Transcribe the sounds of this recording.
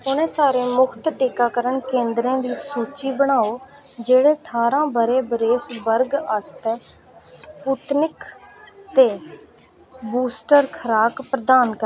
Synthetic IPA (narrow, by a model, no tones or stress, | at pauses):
ʊnẽːsaːɾeːmʊkʰt̪ʈiːkaːkəɾənkẽːnd̪ɾẽːd̪iːsuːt͡ʃiːbəɽaːoː | d͡ʒeːɽeːʈʰaːɾãːbəɾeːbɾeːsbəɾɡəst̪ɛː | spuːt̪nɪkt̪eː | buːsʈəɾkʰəɾaːkpɾəd̪aːnkə